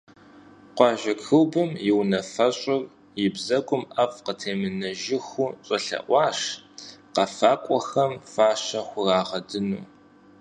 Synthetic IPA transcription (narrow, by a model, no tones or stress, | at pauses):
qʷɑːʒɐkʰɨwbɨmjɪwnɐfɐɕʼɪr | jɪbzɐkʷʼʊmʔɐfqətʰeːmɨnɐʒɪxʷʊɕʼɐɬɐ̰ʔʷɑːɕqɐfaːkʷʼɔxɐmfaːʃɐxʷʊraːʁɐdɨnṵː